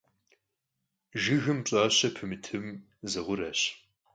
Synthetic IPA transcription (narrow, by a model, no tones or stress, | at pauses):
ʒɨɣɨmt͡ɕʼaːɕɐpʰɨmɨtʰɨm | zɐʁʷʊrɐɕ